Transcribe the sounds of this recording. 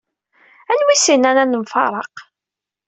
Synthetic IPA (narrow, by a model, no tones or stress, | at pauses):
ænwisinænænəmfɑ̰ɾˤɑ̰q